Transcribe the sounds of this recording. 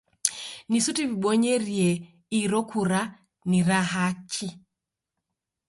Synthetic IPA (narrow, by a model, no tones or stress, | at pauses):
nisutiβiɓɔɲɛɾiɛ | iɾɔkʰuɾa | niɾaɦakʰi